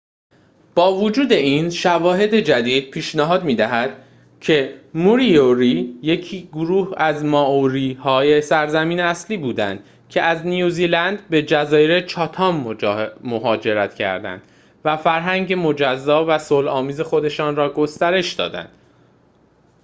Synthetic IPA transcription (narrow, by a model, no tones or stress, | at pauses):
b̥ɒːvod͡ʒuːd̪e̞iːnʃævɒːɦe̞d̪e̞d͡ʒæd̪iːd̪̥̚pʰiːʃnæɦɒːd̪miːd̪æɦæd̪̥ | cʰe̞muɾioɾije̞cʰiːɡoɾuːhæzmɒːʔoɾiːhɒːje̞sæɾzæmiːneæsliːbuːd̪æ̰nd̪̥ | cʰe̞æznijuːziːlænd̪be̞d͡ʒæzɒːjeɾet͡ʃʰɒːt̪ʰɒːmːmo̞ɦɒːd͡ʒe̞ɾæt̪cʰæ̰ɾd̪æ̰nd̪̥ | væfæɾɦæŋɟe̞mod͡ʒæzːɒːvæsolɒːmiːze̞xo̞d̪e̞ʃɒːnrɒːɡo̞st̪æɾe̞ʃd̪ɒ̰ːd̪æ̰nd̪̥